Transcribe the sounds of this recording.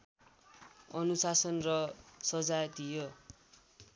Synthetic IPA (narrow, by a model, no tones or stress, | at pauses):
ʌnusasʌnrʌsʌd͡zajd̪ijo